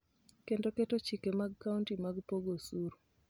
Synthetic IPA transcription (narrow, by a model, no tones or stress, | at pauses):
kendoketot͡ʃikemaɡ̚kːauntimaɡpoɡosuɾ